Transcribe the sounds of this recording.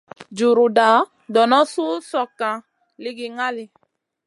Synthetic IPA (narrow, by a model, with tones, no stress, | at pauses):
d͡ʒu˨ɾu˨da˨˦ | dɔ˨nɔ˦su˦sɔ˨kã˨ | li˦ɡi˨ŋa˦li˨